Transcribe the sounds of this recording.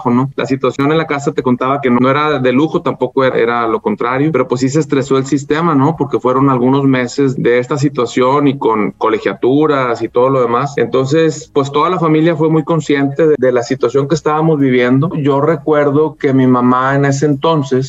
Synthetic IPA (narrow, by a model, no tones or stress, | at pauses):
xono̞lʔa̰sit̪wasjo̞nenlakasat̪e̞ko̞nt̪aβake̞nonoe̞ɾaðe̞luxo̞t̪ampo̞ko̞eʔḛɾalo̞ko̞nt̪ɾaɾjo̞pe̞ɾo̞pwe̞sːis̬est̪ɾe̞so̞elsist̪e̞mano̞po̞ɾke̞fwe̞ɾo̞nalɣuno̞zme̞se̞zðe̞est̪as̬it̪wasjo̞niko̞nko̞le̞xjat̪uɾasit̪o̞ð̞o̞lo̞ð̞e̞masent̪o̞ns̬e̞spwe̞st̪o̞ðalafamiljafwe̞mujko̞nsje̞nt̪e̞ðedelasit̪wasjo̞ŋkeːst̪aβamo̞zβiβje̞nd̪o̞ʝo̞re̞kwe̞ɾðo̞ke̞mimamaene̞s̬e̞ːnt̪o̞nse̞s